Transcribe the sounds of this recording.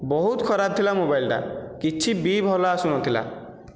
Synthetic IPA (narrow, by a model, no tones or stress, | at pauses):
bɔɦut̪kʰɔɾab̚t̪ʰilamobajlɖa̰kit͡ʃʰibibʱɔlaːsuñɔt̪ʰila̰